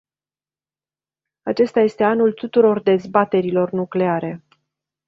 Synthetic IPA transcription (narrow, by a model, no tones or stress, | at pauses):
at͡ʃe̞st̪aje̞st̪e̞anult̪ut̪uɾo̞rd̪e̞zbat̪e̞ɾilo̞rnukle̞aɾe̞